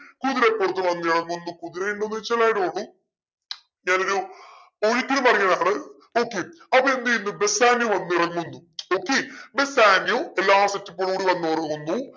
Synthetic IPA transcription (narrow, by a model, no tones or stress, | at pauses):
kuðiɾɐpːoːrt̪̬ːɨlʋɐnːɨirɐŋːunːukuðiɾɐjuɳɖonːit͡ɕːɐlaːjʈooɭːu | ɲaːnoɾu | oɻit̪ːilumɐrɐjɐðaːɳɨ | oːkːe | ɐpːɐend̪iinːɨbesaːnjuʋɐnːuiɽɐŋːunːuoːkːebesaːnjuelːaːsɐtːɐp̬ːoːɭuːɽiʋɐnːuɐrɐunːu